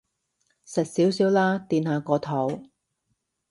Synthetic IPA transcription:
sɐ˨t̚siː˨˥wsiː˨˥wlaː˥t̪iː˨˧nhaː˨˧kɔː˨˧t̪ʰo˨˧˥w

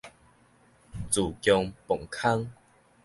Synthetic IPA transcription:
t͡su˨˩kjɔ˧ŋpɔ˨˩ŋkʰa˦ŋ

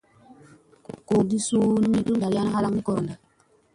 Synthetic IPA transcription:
ko˨di˦su˦ni˦mi˦du˦ŋda˨ɾi˦ja˦na˦ɦa˦la˦ŋni˦ko˦ɾo˨nda˨

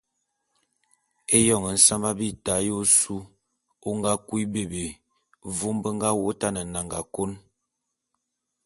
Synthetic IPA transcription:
e˦jɔ˦˨ŋə˨n̩˦sa˦ma˦bi˦ta˨˦jo˦su˦ | o˦ŋɡa˦kwi˦be˨be˨ | vo˦mbə˦ŋɡa˦wo˦ta˦nə˨na˨ŋɡa˨ko˦n

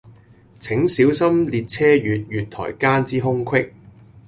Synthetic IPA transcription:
t͡sʰɪ˨˥ŋsiː˨˥wsɐ˥mliː˨t̚t͡sʰɛː˥jyː˨t̚jyː˨t̪̚ʰɔ̰ː˨˩jkaː˥nt͡siː˥ɦʊ˥ŋkʰwɪ˥k̚

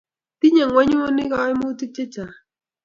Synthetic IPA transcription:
ti˦ɲa˨ŋwa˦ɲ˦o˦nɪ˦ka˦ɪ˦mu˦ti˦t͡ʃe˦t͡ʃa˨

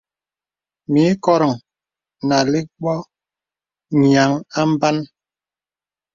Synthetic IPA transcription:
mi˨˦kɔ˦ɾɔ˨ŋ | na˨li˦ɡ͡bɔ˦ | ɲ˨a˨˦ŋa˦m̩˦ba˦n

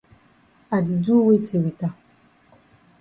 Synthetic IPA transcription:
a˨di˨du˦we˦te˨wi˨ta˦˨

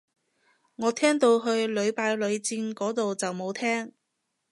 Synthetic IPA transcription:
ŋɔː˨˧t̪ʰɛː˥ŋt̪o˧wɦɵ˧ɥlɵ˨˧ɥpaː˨˧jlɵ˨˧ɥt͡siː˧nkɔː˨˥t̪o˨wt͡sɐ˨wmo˨˧wt̪ʰɛː˥ŋ

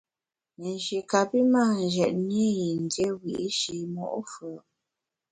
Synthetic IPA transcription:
me˨nʃi˨ka˨pi˦ma˦˨n˨ʒɛ˨t̚nje˦ji˨n˨dje˦wi˨ʔʃi˨mɔ̰˦˨ʔfə˨

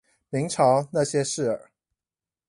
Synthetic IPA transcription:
mi˧˥ŋʈ͡ʂʰɑ˧˥ʊna˥˩ɕjɛ˥ʂɻ̩˥˩ə̰˨˩˦

